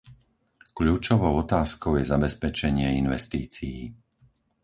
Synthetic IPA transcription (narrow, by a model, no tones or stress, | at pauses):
kʎuːt͡ʃɔʋɔʊɔt̪aːskɔʊjɛzabɛspɛt͡ʃɛɲɪɛinʋɛst̪iːt͡sijiː